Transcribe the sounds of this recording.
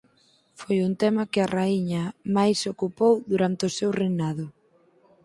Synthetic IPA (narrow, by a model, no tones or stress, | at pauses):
fojunt̪ɛmɐkɪaraiɲɐmajsokupowðuɾant̪ɪʊsewrejnað̞ʊ